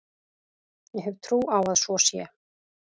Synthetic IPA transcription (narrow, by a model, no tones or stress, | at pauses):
jɛɦɛv̥t̪ʰɾuːawaðsɔsjɛ̰